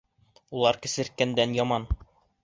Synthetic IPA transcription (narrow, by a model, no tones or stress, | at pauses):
ulˠɑɾkɘ̆sɘ̆ɾkænd̪ænjɑmɑn